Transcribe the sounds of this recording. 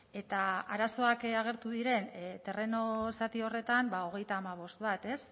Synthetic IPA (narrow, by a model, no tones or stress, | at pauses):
e̞t̪aaɾaso̞akaɣ̞e̞ɾt̪uðiɾe̞nt̪e̞re̞no̞sat̪io̞re̞t̪ambao̞ɣ̞e̞jt̪aːmaβ̞o̞st̪̚βat̪e̞s